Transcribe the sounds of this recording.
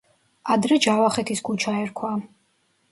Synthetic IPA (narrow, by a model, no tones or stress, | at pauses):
ad̪ɾɛd͡ʒavaχɛt̪ʰiskʰut͡ʃʰaɛɾkʰwa